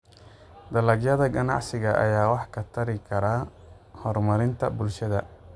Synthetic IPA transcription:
d̪ɐlɐɡjɐðɐɡɐnɑ̰ʕsɪɣɐʔɐ̰jaːwɑħkʰɐt̪ʰɐɾɪkʰɐɾaː | hɔrmɐɾɪnt̪ʰɐbʊlʃɐðɐ

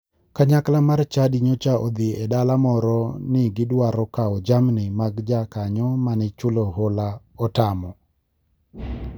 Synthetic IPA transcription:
kaɲaklamart͡ʃadiɲot͡ʃaʔɔd̪ɪedalamɔɾɔnɪɡɪdwaɾɔkaɔd͡ʒamnɪmaɡd͡ʒakaɲɔmanɪt͡ʃʊlɔɦola | ɔtamɔ

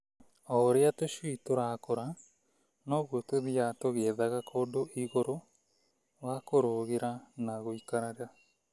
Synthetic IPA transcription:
oɾeatoʃiːtoɾakoɾa | noɣotoðiatoɣeðaɣakʰodoʔiɣoɾo | βakoɾoɣeɾanaɣoikaɾaɾea

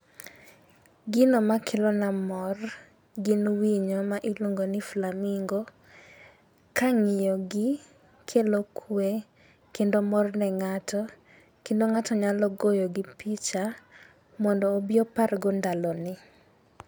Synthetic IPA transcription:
ɡɪnɔmakʰelɔnamɔr | ɡɪnwiɲomaʔiloŋɡonɪflamɪŋɡo | kaŋɪjɔɡɪ | kʰelokʰwe | kendomɔrnɛŋatʰɔ | kendoŋatɔɲalɔɡojoɡɪpit͡ʃa | mɔndɔːbɪɔparɡɔndalɔnɪ

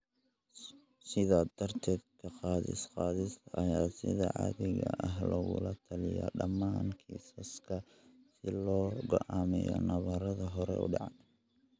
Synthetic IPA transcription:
sɪðad̪̥ɐrt̪ʰɛːd̪kʰɐqɑːðɪ̰sqɑːðɪsɐjaːsɪðɐʕɑ̰ðɪɣɐ̰ʔɐɦlɔɣʊ̰lɐt̪ʰɐlɪjɐ̰ɖɐmːaːŋkʰisɐskʰɐ | sɪlɔːɡɔʔaːmɛjɔ̰nɐβɐɾɐðɐɦɔɾɛ̰ʊ̰ɖɑʕɑn

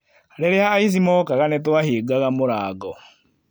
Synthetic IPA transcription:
aɾɛɾeaːis̬imɔkaɣanɛtwaheːɡaɣamoɾaːɡɔ

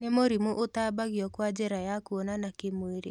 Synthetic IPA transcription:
nemoɾimoʔotaːbaɣjɔkwad͡ʒɛɾajakwɔnanakemweɾḛ

